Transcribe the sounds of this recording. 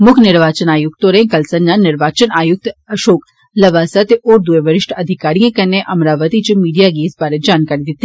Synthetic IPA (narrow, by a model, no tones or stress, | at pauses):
mʊkʰnɪɾʋaːt͡ʃənaːjʊkt̪oɾẽkɐlsɐnnanɪɾʋaːt͡ʃənaːjʊk̚t̪ɐʃoːk | lɐʋaːsat̪eʔoːɾd̪ueʋɐɾɪʃʈʰɐd̪ʱɪkaːɾijãkɐneʔɐmɾaːʋət̪it͡ʃmiːɖijaɡiːsbaːɾed͡ʒaːnkaːɾid̪ɪt̪ːi